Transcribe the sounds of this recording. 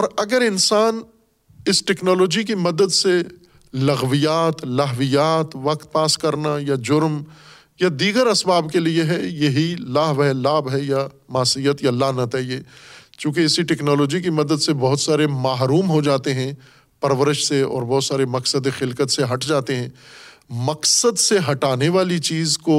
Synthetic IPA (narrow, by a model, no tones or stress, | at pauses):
ɔːɾɐɡəɾɪnsaːn | ɪsʈɛːknɔːloːd͡ʒikimɐd̪əd̪se | lɐɣʋijaːt̪lɐɦʋijaːt̪ʋɐkt̪̚paːskɐɾnajad͡ʒʊɾm | jad̪iːɡəɾɐsbaːbkelieɦɛjeɦilaːɦʋɦɛlaːbɦɛja | maːsijət̪jalaːnãt͡ʃaːɦiet͡ʃjũːkeɪsiʈɛːknɔːlɔːd͡ʒik̬imɐd̪əd̪sebɐɦʊt̪saːɾemaːɦɾuːmɦod͡ʒaːt̪eɦɛ̃ | pɐɾʋəɾɪʃseɔ̰ːɾbɔɦːt̪saːɾemɐksəd̪exɪlkət̪seɦɐʈd͡ʒaːt̪eɦɛ̃ː | mɐksəd̪seɦɐʈaːneʋaːlit͡ʃiːzko